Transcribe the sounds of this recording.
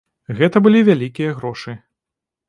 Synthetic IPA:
ɣɛt̪ɐbɨlʲivʲalʲikʲijɐɣɾɔʂɨ

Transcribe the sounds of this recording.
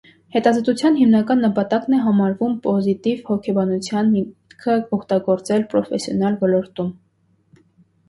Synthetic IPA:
hɛt̪ɑzɔt̪ut͡sʰjɑnɦimnɑkɑnːəpɑt̪ɑknɛɦɑmɑɾvumpɔzit̪ivhɔkʰɛbɑnut͡sʰjɑnmikʰəɔkt̪ɑɡɔɾt͡sɛlpɾɔfɛsjɔnɑlvɔlɔɾt̪um

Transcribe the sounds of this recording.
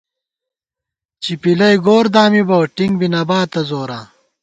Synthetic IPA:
t͡ɕipilɐjɡoːɾd̪aːmibɐwʈiŋɡbinɐbaːt̪ːɐzoːɾaː

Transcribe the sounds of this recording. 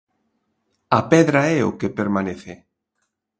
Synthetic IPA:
apɛðɾaɛo̰kepeɾmãneθe

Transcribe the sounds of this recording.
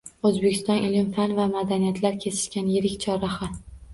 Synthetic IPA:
ɵzbekʲʰɪst̪ɒnʔɪlɪmfanvamad̪anijat̪laɾkʲʰe̞sɪ̥ʃkʲanjɪɾɪkʲt͡ʃʰɒɾaχa

